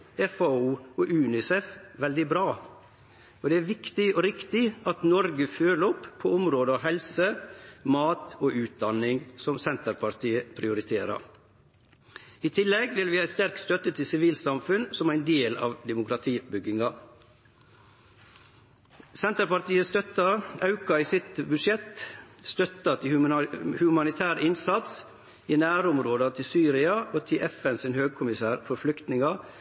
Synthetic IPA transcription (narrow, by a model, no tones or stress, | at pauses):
ɛfɑuːoːʔʉːnɪsɛfʋɛld̪ɪbɾɑː | ɔd̪ɛæʋɪkt̪ɪɔɾɪkt̪ɪɑt̪nɔɾɡəføːləɔpʰːoʊmɾoːd̪əɑʋɦɛlsəmɑːt̪oːʔʉːt̪̚d̪ɑnɪŋsɔmsɛnt̪əɾpʰɑɾt̪ʰiːəpʰɾɪʊɾɪt̪ʰeːɾɑ̰ɾ | it̪ʰɪlːɛɡʋɪlʋɪːɑɪst̪æɾkst̪œt̪ət̪ʰɪlsɪʋiːlsɑmfʉnsɔmæɪnd̪eːlɑ̰ːʋd̪ɛmʊkɾɑt̪ʰiːbʏɡɪŋɑ | sɛnt̪əɾpɑɾt̪iːəst̪œt̪ɑɑʉkɑiːsɪt̪bʉd̪ʂɛt̪st̪œt̪ɑt̪ʰɪhʉmɑnɪt̪ʰæːɾəɪnsɑt̪s | iːnæːɾʊmɾoːd̪ɑt̪ʰɪlsyːɾɪɑoːt̪ʰɪlʔɛfɛnsɪnhøːɡ̚kʰʊmɪsæːɾfɔɾflʏkt̪nɪŋɑ